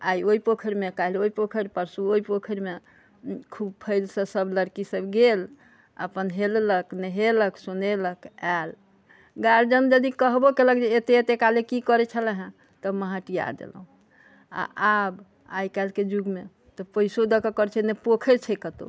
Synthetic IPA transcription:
ajoipokʰəɾmekailoipokʰəɾpəɾsuoipokʰəɾme | kʰub̚pʰəjlsə̃səbləɾkisəbɡel | ə̰pənɦelləknəɦeləksuneləkɛl | ɡaɾd͡ʒənd͡ʒəd̪ikəɦbokeləkd͡ʒeːt̪eːt̪ekalekikɔɾɛt͡ʃʰəlɛɦɛ̃ | t̪əməɦãʈija̰d̪ḛlə̰ɦũ | a̰ʔab | a̰jkalked͡ʒuɡme | t̪ɔpəisod̪əkəkəɾt͡ʃʰɛnepokʰeɾt͡ʃʰɛkət̪o̰

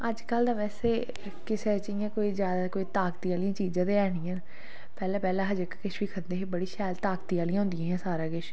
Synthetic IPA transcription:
əd͡ʒkəld̪ãːʋɛːseː | kɪseːt͡ʃːjãːkoːiːzjaːd̪aːkoːiːt̪aːkt̪iːaːlĩãːt͡ʃiːzãːt̪eːɛːɽijãːn | pɛːlãːpɛːlãːɦəd͡ʒɪkkɪʃʋiːkʰənd̪eːɦbəɽiːʃɛːlt̪aːkt̪iːaːlijãːɦʊ̃nd̪ijãːɦɛ̃ːsaːɾaːɡɪʃ

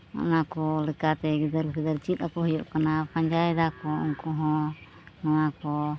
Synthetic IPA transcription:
ɔ̰nakɔlɛkat̪ɛɡɛd̪əɾkɛd̪əɾt͡ʃit̪̚apɔɦɔjɔʔkanapaɲd͡ʒajɛd̪akɔṵŋkɔɦɔ̃ | nanakɔ

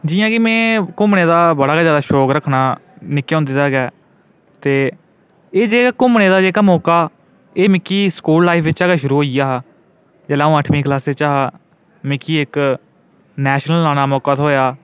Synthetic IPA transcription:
d͡ʒɪjãːkɪmɛ̃ːkʊmneːd̪aːbəɽaːɡazjaːd̪aːʃoːkɾəkʰnaːnɪkːjõnd̪eːd̪aːɡɛː | t̪eː | eːd͡ʒeːkaːkʊmneːd̪aːd͡ʒeːkaːmɔːkaː | eːmɪkːiːskuːllaːifʰʋɪt͡ʃaːɡaʃʊɾuːɦoːijaːɦa | d͡ʒɛːlãːəʈʰmĩːklaːseːt͡ʃaːɦaː | mɪkːiːɪk | nɛːʃnəlːaːnaːmɔːkaːt̪ɦoːjaː

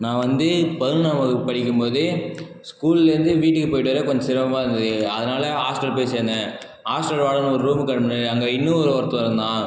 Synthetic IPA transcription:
nãːʋɐnd̪ɯpɐðɯlnɐmɐkːɯpɐɽɪkʲːɯmpoːðɯ | skuːlɪlɪɾɯnd̪ɯʋiːʈːɯkːɯpoːjɪʈːɯʋɐɾɐkɔɲd͡ʒɐsɪɾɐʋɐmaːɪɾɯnd̪ɐðɯɐðɐnaːlɐɦaːsʈɐlpeːseːndɐ̃ | haːsʈɐɾʋaːɭɐnɔɾɯɾuːmkːɐɽmɐnɐɾɐŋɡɐɪnːɯ̃ɔɾɯɐɾt̪ːɔ̃ɪɾɯnd̪ãː

